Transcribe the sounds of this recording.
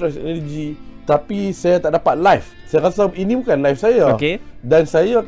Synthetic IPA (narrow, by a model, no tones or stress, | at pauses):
ɾɛsɛ̰nərd͡ʒit̪apisajat̪aʔdapat̪̚lajfsajakasainibukanlajfsajaokedansaja